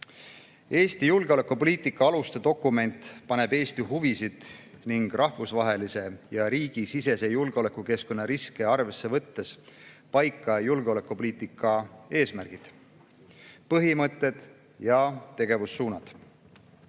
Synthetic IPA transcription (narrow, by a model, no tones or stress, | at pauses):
e̞ːst̪ijulɡ̥eo̞le̞kːupo̞liːt̪ːˑikːˑɑɑlust̪e̞d̪̥o̞kːˑume̞nt̪ˑpɑne̞be̞ːst̪iɦuvisid̪̥ | niŋɡ̥rʔɑhvusvɑɦe̞lise̞jɑɾiːɡ̥isise̞se̞julɡ̥eo̞lekːˑuke̞sko̞nːɑɾiskeɑrve̞sːe̞vɤt̪ːe̞s | pɑjkːˑɑjulɡeo̞le̞kːˑupo̞liːt̪ːˑikːˑɑe̞ːsmærɡ̥id̪̥ | pɤɦimɤt̪ːˑe̞d̪̥ | jɑt̪e̞ɡ̥e̞vusːuːnɑd̪̥